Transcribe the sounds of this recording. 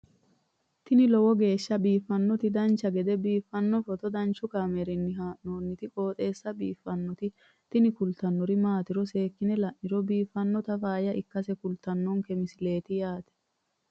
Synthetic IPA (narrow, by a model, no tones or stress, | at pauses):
t̪ɪnɪlɔwɔɡe̞ːʃːɐbiːfːɐnːɔt̪ɪd̪ɐnt͡ʃːɐɡɛd̪ɛbiːfːɐnːɔfɔt̪ɔd̪ɐnt͡ʃːʊkaːmɛɾɪnːɪɦaːʔnoːnːɪt̪ɪkʼo̞ːt̪ʼe̞ːsːɐbiːfːɐnːɔt̪ɪ | t̪ɪnɪkʊlt̪ɐnːɔɾɪmaːt̪ɪɾɔse̞ːkːɪnɛlɐʔnɪɾɔbiːfːɐnːɔt̪ɐfaːjɐʔɪkːɐsɛkʊlt̪ɐnːɔŋkɛmɪsɪle̞ːt̪ɪjaːt̪ɛ̥